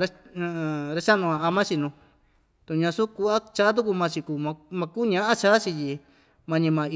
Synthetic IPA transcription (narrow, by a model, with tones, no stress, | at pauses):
ɾa˧˨ | ɾa˧˦t͡ʃa˦nũ˧ã˧a˧mã˦t͡ʃi˧nũ˧ | t̪u˧˨ɲã˧su˦ku˧a˦t͡ʃa˦t̪̬u˦k̬u˧mã˧t͡ʃi˧kuː˧mã˧mã˧kuː˦ɲã˦ʔã˦t͡ʃa˦t͡ʃi˧ji˧ | mã˧ɲĩ˧mã˧